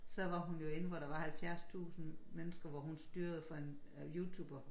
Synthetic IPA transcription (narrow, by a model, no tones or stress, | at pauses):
sɒ̽ʋɑ̈ɦunjo̝e̝nn̩ʋɒɾ̥ɑ̈ʋɑ̈hælfjæɐ̰st͡sʰṵːsn̩menəsɡ̥ɐʋɒɦunsd̥yːɐð̞ˠfɒ̽e̝njut͡sʰṵːb̥ɐ